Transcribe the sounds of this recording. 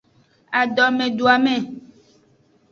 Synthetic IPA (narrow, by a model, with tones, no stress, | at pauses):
a˨ɖɔ˨mẽ˨ɖo˨a˨mɛ̃˨